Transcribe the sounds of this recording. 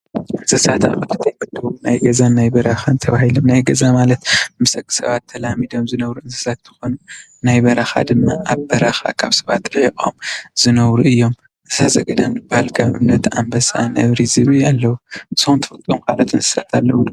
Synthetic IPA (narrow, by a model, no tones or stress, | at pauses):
ʔɨnsɨsat̪a̰kʼɨt̪ɨt̪ʰɐjkɨt̪ːɨumnajɡɐzanajbɐɾɐxant̪ʰɐβahilomnajɡɐzamalɐt̪mɨsɐkʼːɨ̥sɐ̰βat̪ʰːɐlamid̪o̞mzɨnɐβɾuɨnsɨ̥sat̪zɨxonu | najbɐɾɐxa̰d̪ɨmːaʔaβbɐɾɐxa̰kʰaβsɐβat̪ɨʕikʼo̰mz̥ɨnɐβɾuɨjːo̞m | ɨsazɐɡɐd̪anbɨb̥ahalkʰɐβʔɨ̰mnɐt̪a̰mbɐsa̰nɐβɾizɨβialːɐwusɨunt̪ʰɨ̥fɨt̪ʼomkalat̪ɨnsɨ̥sat̪ʰalːɐwu